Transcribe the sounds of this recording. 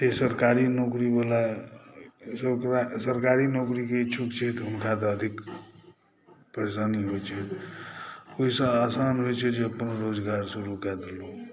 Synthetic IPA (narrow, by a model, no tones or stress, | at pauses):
t̪esəɾkaɾinokɾibala | səsəɾkaɾinokɾiket͡ʃʰukt͡ʃʰɛt̪ɦunkat̪əəd̪ʱik | pɾəesaniɦojt͡ʃʰɛ | oɦisə̃asanɦojt͡ʃʰɛd͡ʒeəpənɾod͡ʒɡaɾsuɾukad̪elu